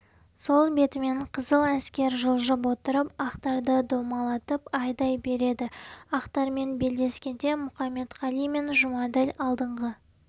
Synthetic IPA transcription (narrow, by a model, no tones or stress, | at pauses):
so̞lˠbe̞t̪ɪme̞ɴqʰəzəlˠæskʲe̞ɾʒəlˠʒəp̬wo̞t̪əɾəpɑqt̪ɑɾd̪əd̪o̞mɑlˠɑt̪əpɑjd̪ɑjbe̞ɾe̞d̪ɪɑqt̪ɑɾme̞nbe̞ld̪e̞skʲe̞d̪e̞mʊχɑmːe̞t̪ʁɑlˠijme̞nʒʊmɑd̪elɑlˠd̪əɴʁə